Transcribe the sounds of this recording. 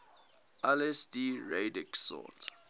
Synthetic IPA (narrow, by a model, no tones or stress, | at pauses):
ɛlɛsdiɹedɛksɔ̰t